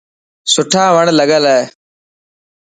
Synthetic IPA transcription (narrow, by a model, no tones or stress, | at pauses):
sʊʈʰãːʋəɳləɡəlee